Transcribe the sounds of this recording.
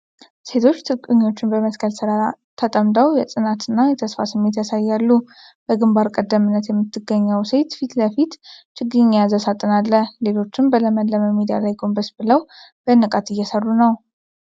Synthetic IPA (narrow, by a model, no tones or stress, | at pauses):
se̞t̪ʰo̞t͡ʃːt̪ʰɨkʼɨɲːo̞t͡ʃːɪnbəməskʰəlsɨɾat̪ʰət̪ʼəmd̪əwjɛsʼɨnat̪ɨnːajɛt̪ʰəsfa̰sɨmːe̞t̪jasajːalːu | b̥əɡɨmbaɾkʼəd̪ːəmɨnːət̪jɛmːɨt̪ʰːɨɡːəɲːəwse̞t̪fit̪ləfit̪t͡ʃʼɪɡɨɲːazəsat̪ʼːɨnalːəle̞lo̞t͡ʃːɪnbələmənləməmid̪ija̰lajɡo̞mbəsbɨləwb̥ənːɨkʼat̪ɨjːɛsərːunəw